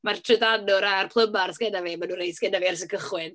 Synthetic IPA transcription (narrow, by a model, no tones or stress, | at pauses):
martʰrədanʊɾarpʰlˠəmarsɡɛnaveːmanuːnɾejsɡ̥ɛnaveːarsəkʰəχwɪn